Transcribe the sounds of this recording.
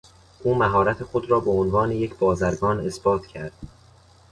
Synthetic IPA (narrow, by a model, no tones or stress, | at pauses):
ʔuːmæɦɒːɾæt̪ʰe̞xo̞d̪ɾɒːbeonvɒːnejecʰbɒːzæɾɡɒːne̞sb̥ɒːt̪ʰcʰæɾd̪̥